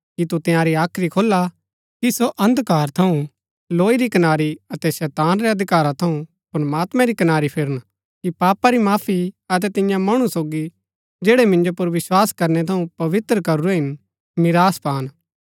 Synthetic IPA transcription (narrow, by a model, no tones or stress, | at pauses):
kit̪ut̪ɪ̃jãːɾiaːkʰɾikʰoːlːa | kisoʔɐ̃nd̪kaːɾt̪ʰɐũ | loːiɾikɐnaːɾiɐt̪ɛsɛːt̪aːnɾeɐd̪ʱɪkaːɾat̪ʰɐũ | pɾɐmaːt̪mẽɾikɐnaːɾipʰɪɾəñ | kipaːpaɾimaːpʰiɐt̪̬ɛt̪ɪ̃jãmɐɽ̃ũsoːɡi | d͡ʒeːɽemɪ̃nd͡ʒopʊɾʋɪswaːskɐɾnɛt̪ʰɐũpɐʋɪt̪ɾəkɐɾuɾeɦɪn | mɪɾaːspaːn